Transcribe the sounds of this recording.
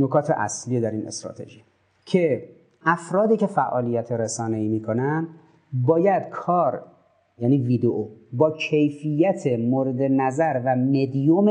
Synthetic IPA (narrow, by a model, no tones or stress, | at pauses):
nokʰɒːt̪ʰeʔæ̰slijed̪æɾiːnḛst̪ɾɒ̰ːt̪ʰḛʒi | cʰe̞ | ʔæfɾɒːd̪iːce̞fæʔɒːlijæt̪ʰeɾesɒːneiːmiːkʰo̞næn | bɒːjæd̪̥kʰɒːɾ | jæːniːviːd̪eʔobɒːcʰejfijːæt̪ʰemoːɾed̪enæzæɾvæmed̪jom